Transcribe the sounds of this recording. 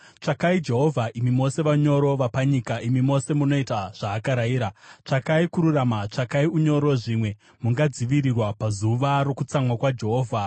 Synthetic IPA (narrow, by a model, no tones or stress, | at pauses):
t͡ʂakaid͡ʒe̞ɦo̞vʱaʔimimo̞se̞ʋaɲo̞ɾo̞ʋapaɲikaʔimimo̞se̞muno̞itaʐ̥aːkaɾaiːɾat͡ʂakaikuɾuramat͡ʂakaiuɲo̞ɾo̞ʐimwe̞ | muŋɡad͡ziʋiɾirwapazuʋaɾo̞kut͡samwakwad͡ʒe̞ɦo̞ːvʱa